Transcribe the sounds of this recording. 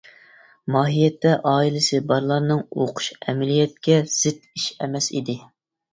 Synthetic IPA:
mɑːɦijɛt̪ːɛʔɑːilˠɪsɨbɑɾlˠɑɾnɨŋo̰qʰʊ̥ʃɛmɛlijɛt̪̚kʲɛz̥ɪt̪iʃɛmɛsḭd̪ɪ

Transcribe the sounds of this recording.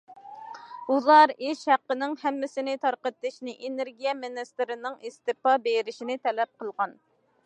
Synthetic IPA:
ulˠɑɾeʃhæqːənɪŋhɛmːɪsɪnɪt̪ʰɑɾqət̪ːɨʃnɪʔeneɾɡʲijɛmenɪst̪ɪɾɪnɪŋist̪ɨpɑbeɾɪʃinɪt̪ʰɛlɛp̚qʰəlˠʁɑn

